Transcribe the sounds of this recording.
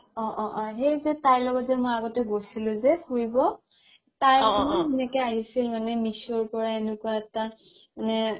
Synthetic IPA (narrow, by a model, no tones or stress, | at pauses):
ɔ̃ʔɔ̃ʔɔ̃ɦejzɛtaɹlɔɡɔtzɛmojaɡɔtɛɡojsilʊ̃zɛkuɹibɔ | taɹɔnɔinɛkɛaɦisilmanɛmisɔɹpɔɹaenukwaɛtamanɛ